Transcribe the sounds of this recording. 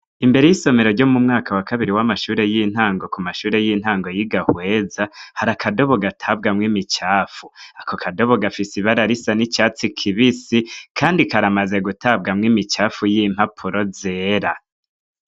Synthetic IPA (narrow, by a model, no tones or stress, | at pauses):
imbe̞ɾe̞jiso̞me̞ɾo̞ɾɟo̞mumŋaːkawakaβiɾiwamaʃuːɾe̞jin̥haːŋɡo̞kumaʃuːɾe̞jin̥haːŋɡo̞jiɡahwe̞ːzahaɾakʰado̞βo̞ɡatʰabɡamŋimit͡ʃaːfuakokʰado̞βo̞ɡafisiβaɾaɾisanit͡ʃaːt͡sikʰiβisikʰaːndikaɾamaze̞ɡutʰabɡamŋimit͡ʃaːfujim̥hapʰuɾo̞zeːɾa